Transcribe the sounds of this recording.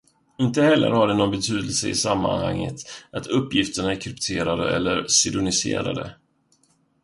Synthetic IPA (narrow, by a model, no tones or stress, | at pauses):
ɪnt̪əhɛlːə̰ɾhaɖɛnɔnbɛt̪ʰyːd̪əlsəɪsamːa̰nha̰ŋːə̰t̪ʔat̪ʰɵpːjɪft̪əɳaɛkʰɾʏpt̪ʰeːɾad̪əɛ̰lːəɾsɪd̪ʊnɪsḛːɾa̰d̪ə̰